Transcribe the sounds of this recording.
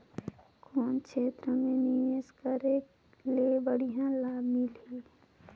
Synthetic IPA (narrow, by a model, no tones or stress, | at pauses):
kʰoːnkʰeːt̪ɾəmẽnijeskəɾe | lebəɽijãlaːmɪlɦiː